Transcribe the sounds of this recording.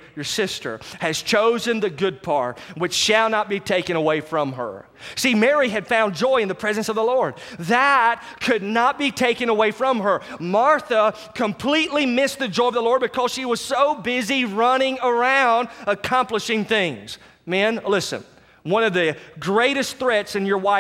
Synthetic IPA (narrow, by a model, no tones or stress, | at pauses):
jə˞sɪstə̰˞ɨz̥t͡ʃʰoʊzɨ̃nðɨɡʊd̚pʰɑɹt̚wɨt͡ʃʃɨlˠnət̚b̥itʰeɪkɨ̃ñəweɪfɹʌ̃mə̰˞ | simɛɹiɨd̥fãʊ̃nd͡ʒɔɪɨ̃nðɨpʰɹ̥ɛzɨ̃nsʌvðəlɔɹd̪̚ðət̚kʰɨdⁿnət̚b̥itʰeɪkɨ̃nəweɪfɹʌ̃mə˞mɑɹθə | kʰə̃mpʰl̥itˡlimɪsðɨd͡ʒɔɪʌvðəlɔɹd̚bɨkʰʌz̥ʃiwʌz̥soʊbɪziɹʌnɪ̃ŋə˞ãʊ̃ndəkʰɑ̃mpləʃɪ̃ŋθɪ̃ŋz̥ | mæ̃nlɪsɨ̰̃n | wʌ̃nʌvðɨɡɹeɪɾɨsθɹɛtsɨ̃njə˞waɪ